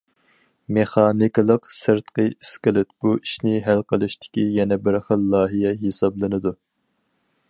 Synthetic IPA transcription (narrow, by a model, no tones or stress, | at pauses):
meχɑːnikʲlˠəqsɨɾt̪qəiskʲɪlˠɪt̪b̥uiʃnɪɦælqəlˠɨʃt̪ʰɪ̥kʲijɛnɛbɪɾχəlˠːɑːɦijɛɦesɑblˠɨnɨd̪u